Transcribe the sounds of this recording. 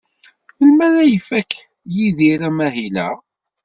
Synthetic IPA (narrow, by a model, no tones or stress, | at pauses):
əlmæðæjəfækː | jiðiɾæmæɦilæ̰